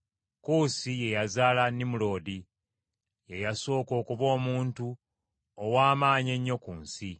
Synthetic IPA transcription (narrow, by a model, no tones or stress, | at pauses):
kuːsije̞jazaːlanimulo̞ːdi | je̞jaso̞ːko̞ːkuβo̞ːmuːntu | owaːmaːɲe̞ɲːo̞kuːnsi